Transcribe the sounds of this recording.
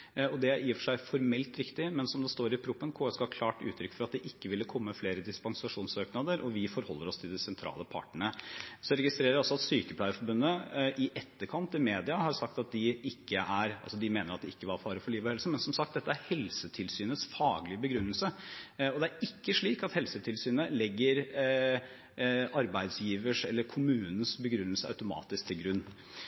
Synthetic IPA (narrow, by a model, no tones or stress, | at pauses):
ɔd̪ɛjiːfʂæɪfɔɾmɛlt̪ɾɪkt̪ɪmɛnsɔmd̪ɛst̪oːɾɪpʰɾuːpːənkʰoːɛskɑhɑkʰlɑːʈʉ̰ːt̪ʰɾʏkːfɔɾɑt̪̚d̪ɛʔɪkːəʋɪlːəkʰɔmːəfleːɾəd̪ɪspɑŋsɑʂuːnsøːknɑd̪əɾʔɔʋɪfɔɾhɔlːəɾɔst̪ʰɪld̪ɛsɛnt̪ʰɾɑ̰ːləpʰɑ̰ʈɳəɳəsɔɾɛɡɪst̪ɾeːɾəɾɔsːɔɑt̪syːkəplæɪəfɔɾbʉnːəʔɪʔɛt̪ːəɾkʰɑnt̪ɪmeːd̪ɪɑhɑɾsɑk̚t̪ɑt̪̚d̪ɪʔɪkʰːəʔæɾɑ̰lsɔd̪ɪmeːnəɾɑt̪d̪ɛɪkːəʋɑɾfɑːɾəfɔɭiːʋəhɛlsəmɛnsɔmsɑkt̪̚d̪ɛt̪ːəæɾhɛlsət̪ʰɪlsyːnət̪sfɑːɡlɪəbəɡɾʉnːəlsəɔd̪ɛæɾɪkːəʂɭiːkɑt̪hɛlsət̪ʰɪlsyːnəlɛɡːəɾ | ɑɾbæɪd̪sjiːʋəʂɛlːəɾkʰʊmʉːnən̩sbəɡɾʉnːəl̩səɑ̰ʉt̪ʊmɑ̰ːt̪ɪsk̚t̪ʰɪlɡɾʉnː